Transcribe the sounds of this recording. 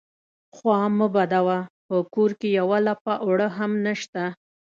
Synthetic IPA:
xwɑməbad̪awapəkoɾkejawalapaʔwɽəɦamnəʃt̪a

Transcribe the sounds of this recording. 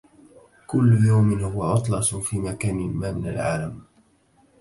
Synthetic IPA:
kʊlːʊjawmɪnhʊwaʕʊt̪ˤlɑsˤfiːmakaːnɪmaːmɪna̰lʕa̰ːlam

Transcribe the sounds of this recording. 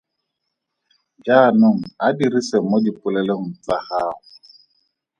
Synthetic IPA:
d͡ʒanʊŋ̩adirisemodipʊlɛloŋ̩t͡sahaːʊ

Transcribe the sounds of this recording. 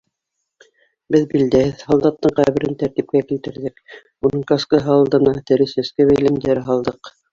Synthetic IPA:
bɘðbild̪æhɘðhɑlˠd̪ɑt̪ːɤɴqæβɘ̆ɾɘnt̪æɾt̪ip̚kækilt̪ɘ̆ɾðɘk | unɤɴkɑskɤɦɑlˠd̪ɤ̆nɑt̪ɘ̆ɾɘ̆sæ̆skɘβæjlɘ̆md̪æɾɘɦɑlˠd̪ɤq

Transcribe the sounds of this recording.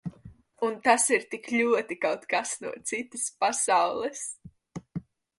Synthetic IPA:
unt̪asiɾt̪ikʎʲuɔt̪ikawt̪kasnṵɔt̪sit̪ɨspasawlˠɛs

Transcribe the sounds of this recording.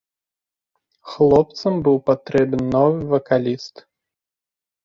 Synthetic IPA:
xlˠɔp̚t̪sɐmbɨwpat̪ɾɛbnnɔvɨvɐkalʲist̪

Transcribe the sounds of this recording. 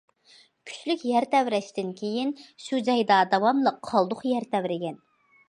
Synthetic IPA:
kʲʰy̥t͡ʃlykʲjæɾt̪ʰɛwɾɛʃt̪ɪnkʲʰejinʃud͡ʒɑjd̪ɑd̪ɑwɑmlˠəqʰːɑlˠd̪ʊχjæɾt̪ʰɛwɾɪɡʲɛn

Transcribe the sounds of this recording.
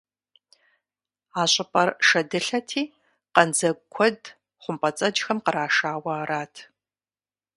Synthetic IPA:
aːɕʼɪpʼɐrʂɐdɨɬɐtʰiː | qɐnd͡zɐɡkʷʰɔd | χʷʊmpʼɐt͡sʼɐd͡ʒxɐmqəɾaːʂaːwɐːɾaːtʰ

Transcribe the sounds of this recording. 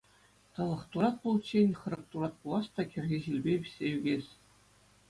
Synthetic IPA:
t̪ɤ̆lˠɤ̆χt̪uɾɑt̪̚pulˠt͡ɕenʲχɤ̆ɾɤ̆k̚t̪uɾɑt̪̚pulˠɑst̪ɑkʲɘ̆rʲɣʲeʑilʲbʲeʋʲisʲːejyɡʲesʲ

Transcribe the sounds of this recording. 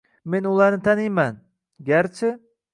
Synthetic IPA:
me̞nʊlˠaɾnɪt̪ʰanijman | ɡʲaɾt͡ʃʰɪ

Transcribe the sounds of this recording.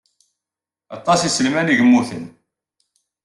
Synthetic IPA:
ɑt̪ˤːɑsisəlmæniʝəmːuθən

